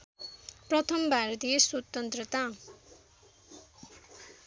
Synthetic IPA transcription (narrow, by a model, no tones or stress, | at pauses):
prʌt̪ʰʌmbʱaɾʌt̪ijesot̪ːʌnt̪rʌt̪a